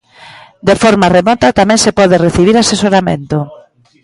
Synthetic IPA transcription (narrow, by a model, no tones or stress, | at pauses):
d̪efɔɾmaremɔt̪at̪amɛ̃ŋsepɔðereθiβ̞iɾasesoɾamḛ̃nt̪ʊ